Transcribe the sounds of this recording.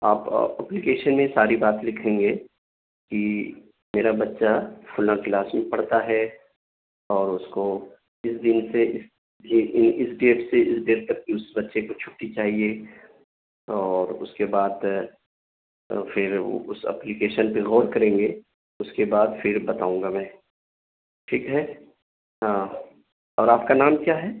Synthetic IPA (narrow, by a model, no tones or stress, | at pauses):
aːpːɛplikeːʃənmẽsaːɾibaːt̪lɪkʰẽːŋɡeː | ki | meːɾabɐtːʃafʰʊlãkɪlaːsmẽpɐɽt̪aɦɛ | ɔːɾʊsko | ɪsd̪ɪnseɪs | ɪnɪsɖeeʈseɪsɖeːɾt̪ɐk̚kiʊsbɐtːʃekot͡ʃʰʊʈʈːit͡ʃaːɦie | ɔːɾʊ̰skebaːd̪ | fɪɾʋo̰ʔʊsɛ̰plikeːʃənpeɣɔːɾkɐɾẽːŋɡe | ʊskebaːd̪fɪɾbɐt̪a̰ːũːŋɡamɛ̃ː | ʈʰiːkɦɛː | ɦãː | ɔːɾaːp̚kanaːmkjaːɦɛ